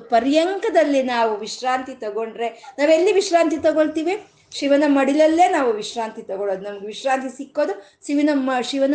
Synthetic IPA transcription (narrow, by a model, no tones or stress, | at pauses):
pɐɾjɐŋkɐd̪ɐlːinaːʋuʋiʃɾaːnt̪it̪ɐɡo̞ɳɖɾe̞naːʋelːiʋiʃɾaːnt̪it̪ɐɡoɭt̪iːʋi | ʃiʋɐnɐmɐɽilɐlːeːnaːʋuʋiʂɾaːnt̪it̪ɐɡoɭoːd̪unɐmɐɡeʋiʃɾaːnt̪isikːo̞ːd̪u | ʃiʋinɐmːɐʃiʋɐnɐ